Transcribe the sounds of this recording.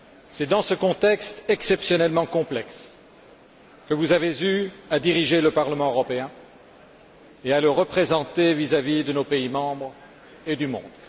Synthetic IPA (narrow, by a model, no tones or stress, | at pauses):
sɛd̪ɑ̃səkɔ̃t̪ɛkst̪ɛksɛpsjɔnɛlmɑ̃kɔ̃plɛks | kəvuzavezyad̪iʁiʒeləpaʁləmɑ̃øʁɔpeɛ̃ | ealəʁəpχezɑ̃t̪evizavid̪ənopeimɑ̃bʁ | ed̪ymɔ̰̃d̪